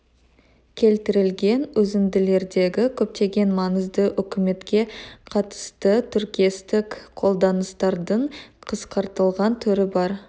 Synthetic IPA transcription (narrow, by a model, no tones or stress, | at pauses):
kʲʰe̞lt̪ɪɾɪlɡʲe̞nɵzɪnd̪ɪle̞ɾd̪e̞ɡʲɪkʲʰɵp̚t̪e̞ɡʲe̞nmɑnəzd̪əʔʏkʲɪme̞t̪kʲe̞qʰɑt̪ə̥st̪ət̪ʰʏɾkʲijest̪ɪkqʰo̞lˠd̪ɑnəst̪ɑɾd̪əɴqʰəsqɑɾt̪əlˠʁɑnt̪ʰʏɾɪbɑɾ